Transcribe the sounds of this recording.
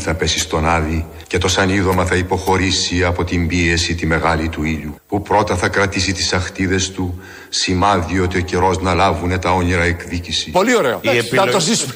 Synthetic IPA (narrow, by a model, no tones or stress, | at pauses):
θɐpe̞sist̪o̞nɐði | ce̞t̪o̞sɐniðo̞mɐθɐipo̞xo̞ɾisiɐpo̞t̪imbie̞sit̪ime̞ɣɐlit̪uiʎupupɾo̞t̪ɐθɐkɾɐt̪isit̪i̥sɐxt̪iðe̞st̪u | simɐðio̞t̪io̞ceɾo̞znɐlɐvune̞t̪ɐo̞niɾɐe̞kðicisipolioɾeoɐosis